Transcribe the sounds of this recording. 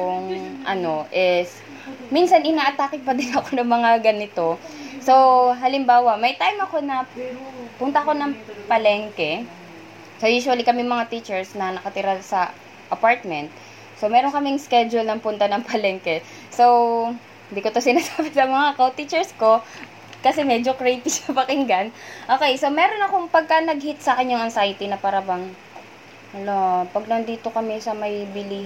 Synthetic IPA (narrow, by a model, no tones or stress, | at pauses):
ʊŋʔɐno̞ʔɪs | minsɐnʔɪnaːʔɐt̪aːkɪt̪̚pɐd̪ɪnɐkonɐŋmɐŋaɡɐnɪt̪o̞so̞wɦɐlɪmbaːwɐmɐjt̪ajmɐko̞nɐ | pʊnt̪ɐko̞nɐŋpɐlɛŋkɛ | sojuːʃʊwɐlikɐmɛmɐŋat̪it͡ʃɛɹsnɐnɐkɐt̪ɪɾɐsɐ | ʔɐpaɹt̪̚mɛnt̪̚ | somɛːɾonkɐmɪŋskɛd͡ʒʊlnɐŋpʊnt̪anɐŋpɐlɛŋkɛ | so̞w | hɪnd̪iːkot̪osɪnasaːbɪsɐmɐŋakowt̪it͡ʃɛɹsko̞ | kɐsɛmɛd͡ʒokɾejt̪ɪsɐpɐkɪŋɡɐnʔoːkɛjsomɛːɾonɐko̞ŋpɐɡ̚kɐnɐɡ̚hit̪̚sɐkɐɲːoŋɐnsajt̪inɐpaːɾɐbɐŋ | ɐlopɐɡ̚nɐnd̪iːt̪o̞kɐmɛsɐmɐjbɪli